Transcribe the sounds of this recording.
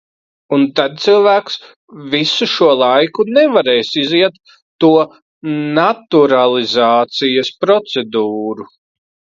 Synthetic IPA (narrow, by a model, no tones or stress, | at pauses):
unt̪ad̪̚t̪silˠvæːks | visuʃuɔlˠajkunɛvaɾɛjsiziɛt̪ː | uɔ | nat̪uɾalˠizaːt̪sijɐspɾɔt̪sɛd̪uːɾu